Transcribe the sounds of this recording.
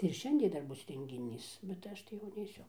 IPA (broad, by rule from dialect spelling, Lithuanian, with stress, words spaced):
tɐɪ ɪr ˈʃʲɛnʲdʲiɛ ˈdɐr ˈbʊs rʲɛŋʲɡʲɪˈnʲiːs bʲɛt ˈɐʃ tɐɪ jɛʊ nʲɛɪˈsʲʊ